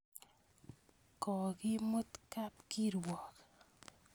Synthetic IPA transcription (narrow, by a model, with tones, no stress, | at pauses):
kɔ˨kɪ˦mo˦t̪ka˦p̚ki˦ɾwɔ˨k